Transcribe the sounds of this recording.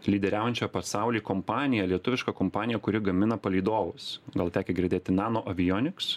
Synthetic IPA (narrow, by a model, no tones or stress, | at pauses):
lʲiːd̪ʲɛɾʲæːʊjɛnʲt͡ʃʲɛpɐsɑˑʊlʲiːkɔmpɑːnʲɪjɛlʲiɛt̪ʊʋʲɪʃkɑkɔmpɑːnʲɪjɛkʊɾʲɪɡɐmʲɪnɐpɐlʲiːd̪oːʋʊsɡɐlˠt̪ʲæːkʲɛɡʲɪɾʲd̪ʲeːt̪ʲɪnɑːnoːʔɐʋʲɪjoːnʲɪks